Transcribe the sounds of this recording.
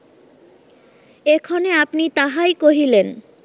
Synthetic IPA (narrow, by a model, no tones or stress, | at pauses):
ekʰoneapnit̪aɦajkoɦilen